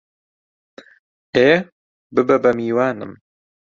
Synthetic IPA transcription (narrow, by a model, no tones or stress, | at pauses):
eː | bɨbɛbɐmiːwaːnɨ̰m